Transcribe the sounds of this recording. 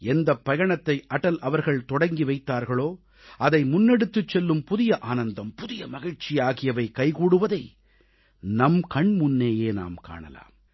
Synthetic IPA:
ɛnd̪ɐpːɐɣɐɳɐt̪ːɐɪʔɐʈɐlɐʋɐɾɣɐɭt̪ɔɽɐŋɡiʋɐɪt̪ːaːɾɣɐɭoː | ʔɐðɐɪmʊnːɛɽɯt̪ːɯt͡ʃːɛlːɯmpʊðɪjɐʔaːnɐnd̪ɐmpʊðɪjɐmɐɣɪɻt͡ʃɪjaːɣɪjɐʋɐɪkɐɪkuːɽɯʋɐðɐɪ | nɐmkɐɳmʊnːeːjeːna̰ːmka̰ːɳɐ̰la̰ːm

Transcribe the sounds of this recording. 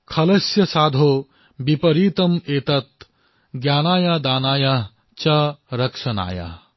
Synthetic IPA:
kʰɐlɐsjɐsaːd̪ʱoː | bipɐɾiːt̪ɐmeːt̪ɐt̪̚ | ɡjaːnaːjad̪aːnaːja | t͡ʃɐɾɐkʂɐna̰ːja̰

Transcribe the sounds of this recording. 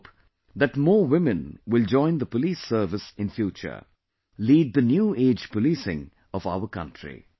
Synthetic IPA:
p | ðæʈmɔːwɪmɨ̃nwɪld͡ʒɔ̃ɪ̃nd̪əpəlisəːvɪsɪ̃nfjuːt͡ʃə̰˞ | liːd̪̚d̪ənjuːeːd͡ʒpəlisɪ̰̃ŋ | ʌva̰ʊəkʌ̃ntʰɹḭ

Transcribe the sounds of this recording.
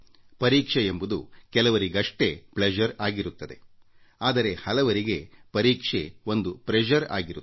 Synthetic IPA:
pɐɾiːkʂeembud̪ukɛlɐʋɐɾiɡɐʂʈe̞pled͡ʒɐɾaːɡiɾut̪ːɐd̪e̞ | aːd̪ɐɾe̞hɐlɐʋɐɾiɡe̞pɐɾiːkʂeo̞nd̪upɾed͡ʒɐɾa̰ːɡiɾu

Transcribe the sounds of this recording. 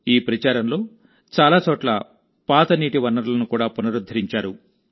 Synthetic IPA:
iːpɾɐt͡ʃaːɾɐnlo̞ː | t͡ʃaːlaːt͡ʃoːʈlɐ | paːt̪ɐniːʈiʋɐnːɐɾlɐnukuːɽaːpunɐɾud̪ʱːɐɾiɲt͡ʃaːɾu

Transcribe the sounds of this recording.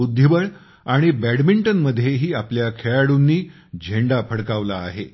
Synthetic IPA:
ud̪ʱjibəɭ | aɽ̃ibæɽmiɳʈənməd̪ʱːjeɦiːapljakʰeɭaɽunːiː | d͡ʑʱeɳɖapʰəɽkaʋlaːɦe

